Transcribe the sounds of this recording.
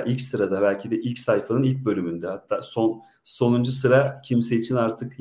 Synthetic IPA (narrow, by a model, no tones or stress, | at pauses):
ʔilʲcsɯɾad̪abælʲcʰid̪ɛʔilʲcsajfanɯnilʲc̚bø̞lʲymynd̪ɛhat̪ʰːaːso̞n | so̞nund͡ʒusɯɾacʰimseit͡ʃʰinaɾt̪ʰɯk